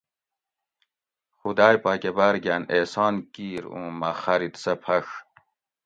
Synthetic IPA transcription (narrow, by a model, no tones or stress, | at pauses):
xud̪aːjpakebaɾɡʲæneːsɑːnkiːɾṵ̃ːmaxɐɾit̪sɐpʰɐʂ